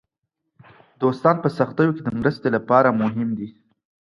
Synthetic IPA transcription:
d̪ost̪ɑnpəsaxt̪əjoked̪əmɾəst̪elapɑɾamʊɦɪmd̪i

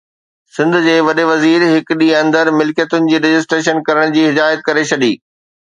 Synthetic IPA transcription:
sɪ̃nd̪ʱʊ̆d͡ʑeːʋɐɗeʋɐziːɾɦɪkɗiɐ̃nd̪əɾmɪlkijət̪ʊnɪ̆d͡ʑiːɾed͡ʑɪs̬ʈɾeːʃənkɐɾəɽ̃d͡ʑiːɦɪd̪aːjət̪̚kɐɾet͡ɕʰɐɗiː

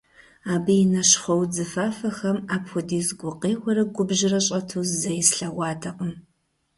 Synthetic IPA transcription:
aːbɨjɪnɐʃχɐwd͡zɨfaːfɐxɐmaːpxʷʊdiːzɡʷʊqeːʁʷɐɾɐɡʷʊbʒɪrɐɕʼɐtʰuːzzɐjɪsɬɐʁʷɑːtʰɐqəm

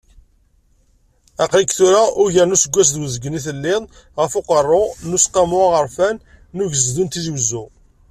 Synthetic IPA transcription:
æqlikθuɾaʔʊɾʝəɾnusəɡʷːæs̬ðwəzəɡːniθəlːɪðˤ | ʁəfʊqərˤːonusqɑmʊaʁəɾfænː | ʊʝəzðunt̪iðwzːu

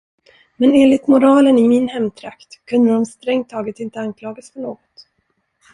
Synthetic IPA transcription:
mɛneːnlɪt̪mʊɾɑːlənɪmɪnhɛmːt̪ʰɾakt̪kʰɵnd̪əd̪ɔmst̪ɾɛŋt̪ʰːɑːɡət̪ɪnt̪əankʰlɑːɡasfœɳoːɡɔt̪

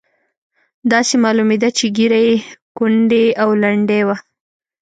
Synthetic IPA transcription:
d̪ɑsemɑlumed̪at͡ʃeɡiɾajekʊɳɖeawlaɳɖewa

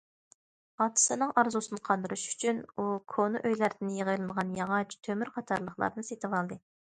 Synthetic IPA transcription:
ɑt̪ʰɨ̥sɨnɨŋɑɾzusɨnɨqʰɑnd̪ɨɾuʃy̥t͡ʃʰynukʰonuʔøjlæɾd̪ɪnjəʁəjlˠɨnʁɑnjɑʁɑt͡ʃʰt̪ʰømyɾqʰɑt̪ʰɑɾlˠəχlˠɑ̰ɾnɨset̪ɨvɑlˠd̪ɨ

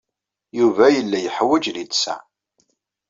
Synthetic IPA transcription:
juvæjəlːæjəħwæd͡ʒlidsæ̰

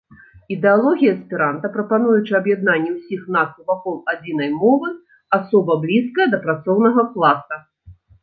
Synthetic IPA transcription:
id̪ɛalˠɔɣʲijɐspʲiɾant̪ɐpɾɐpan̪ujut͡ʂɨɐbjad̪nanʲːɛwsʲixnat̪uvakɔlˠad͡zʲin̪ɐjmɔvɨ | asɔbɐblʲiskɐjɐd̪ɐpɾat̪sɔwnɐɣɐklˠasɐ

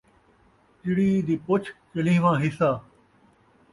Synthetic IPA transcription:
t͡ʃɪɽiːd̪iːpʊt͡ʃʰt͡ʃəlĩːʋãːɦɪsaː

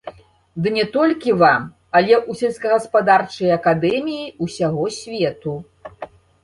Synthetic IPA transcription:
d̪ɨnʲɛt̪ɔlʲkʲivam | ɐlʲɛʔusʲɛlʲskɐɣɐspad̪art͡ʂɐjɐkad̪ɛmʲijiusʲaɣɔsʲvʲɛt̪u

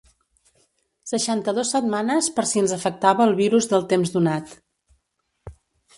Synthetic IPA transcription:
səʃant̪əðosːəd̪manəspəɾsiənzəfək̚t̪aβəːlˠβiɾuzðəlˠt̪emzðunat̪

